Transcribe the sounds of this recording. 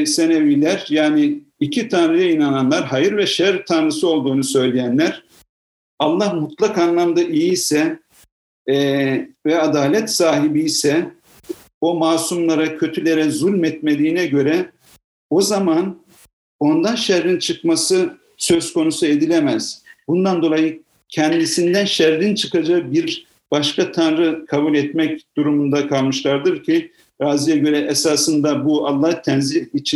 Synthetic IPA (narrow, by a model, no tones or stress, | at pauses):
senevilʲæɾjaːnɪː | cʰit̪ʰanɾɯjainananlˠaɾɦajɯɾvɛʃɛɾt̪ʰanɾɯsɯo̞lˠd̪uːnusø̞jlʲejænlʲæɾ̥ | alˠːahmut̪lˠakanlˠamd̪aʔijisɛ | vɛad̪aːlʲɛt̪saːɦibijsɛ | omaːsumlˠaɾacʰø̞t̪ʰylʲe̞ɾɛzulʲmɛt̪me̞d̪iːnɛɟø̞ɾɛ | o̞zaman | o̞nd̪anʃɛɾːint͡ʃʰɯkmasɯ | sø̞zko̞nusue̞d̪ilʲemɛz̥bund̪and̪o̞lˠajɯ | cʰɛnd̪isind̪ænʃæɾːint͡ʃʰɯkad͡ʒabiɾ | b̥aʃkʰat̪ʰanɾɯkʰabulʲɛt̪mɛcd̪̥uɾumund̪akʰalˠmɯʃlˠaɾd̪ɯɾcʰi | ɾaːzijɛɟø̞ɾɛʔɛsaːsɯnd̪abualˠːaht̪ʰɛnzilit͡ʃʰi